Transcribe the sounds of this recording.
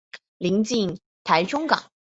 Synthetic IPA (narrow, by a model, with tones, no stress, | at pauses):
li˧˥ŋt͡ɕi˥˧ŋ | t̪ʰa˧˥ɪʈ͡ʂʊ˥ŋkɑ̰˨˩˦ŋ